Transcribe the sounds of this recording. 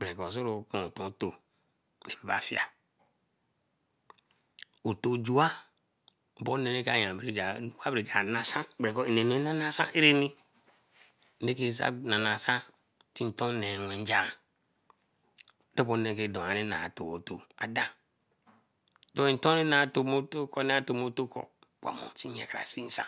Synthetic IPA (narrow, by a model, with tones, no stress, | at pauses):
bɾe˨ko˨s̬o˦ɾo˨ku˨o˨tõ˨˦to˨ | ne˨pe˨ba̰˨fi˦a̰˨ | o˨to˨d͡ʒu˦a˦˨ | bo˦ne˦ne˦ka˨jã˨bɾe˨˦d͡ʒa˨˦u˨˦wa˦˨ɾe˨d͡ʒa˨na˨sa˦bɾe˨ko˦e˨ne˨nu˨e˦na˦na˦sa˦ʔe˦ɾe˦ni˦ | e˦ke˦˨sa̰˦na˨na˨sa˦ | ti˦n̩˨to˦ne˨nʷe˨n˦d͡ʒa˨ | de˦bo˦ne˨n˦ke˦˨do˨a˨ne˦na̰˨to˨o˨to˨a̰˨da˦ | do˦i˨n̩˦to˦ne˦na˨to˨mo˦to˦ko˦ne˦a˦to˨mo˦to˦ko̰˨ | k͡pʷa̰˨mo̰˨ti˦ɲḛ˨ka˨ɾa̰˨si˦i˦n̩˦sa̰˦